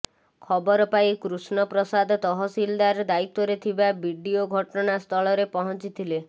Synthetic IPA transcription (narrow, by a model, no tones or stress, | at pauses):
kʰɔbɔɾɔpajkɾusnɔpɾɔsad̪ʱt̪ɔɦɔsild̪aɾɔd̪ait̪ɔɾet̪ʰibabʱiɖioɡʱɔʈɔnast̪ʰɔɭɔɾepɔɦɔnt͡ʃit̪ʰile